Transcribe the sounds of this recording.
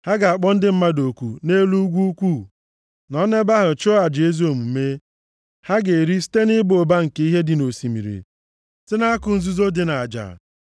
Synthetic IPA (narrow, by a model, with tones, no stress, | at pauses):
ha˦ɡa˨a˨k͡pɔ˦n̩˦dɪ˦m̩˦ma˦do˨kʷu˨ne˦lu˦ɡʷu˦u˦kʷu˦˨ | nɔ˦ne˦ba˦ɦʊ˨t͡ʃʊ˦a˨d͡ʒe˨˦zu˦o˨mu˨me˦ | ha˦ɡe˨ɾi˦si̥˦te˦nɪ˦bo˨ba˦ŋ̩˨ke˦i˦ɦe˦dɪ˨no˨si˨mḭ˨ɾḭ˨ | sɪ˦na˦a˦kʊ˨n̩˦zu˦zo˦dɪ˨na˨a˨d͡ʒa̰˨